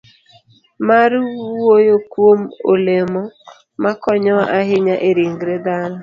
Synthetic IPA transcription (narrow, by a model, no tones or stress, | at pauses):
maɾwojokwomolemɔ | makɔɲɔaʔaɦɪɲaʔeɾiŋɡɾed̪aɾɔ